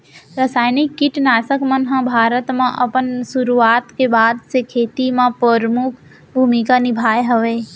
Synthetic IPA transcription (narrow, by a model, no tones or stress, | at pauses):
ɾəsaːjnɪkːɪʈnaːsəkmənɦãbʱaːɾət̪mãʔəpənsʊɾuaːt̪kebaːd̪sekʰeːt̪imãpɾəɾmʊkʰ | bʱuːmikanɪbʱaːjɦəʋeː